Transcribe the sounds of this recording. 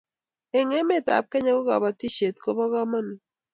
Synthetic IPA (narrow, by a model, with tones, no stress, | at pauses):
e˨ŋɛ˦me˦˨ta̰˨p̚kɛ˦ɲa˦ko˦ɡa̰˨βa˨ti˦ʃe˨tko˦βa˦ɣa˦ma˦ni˨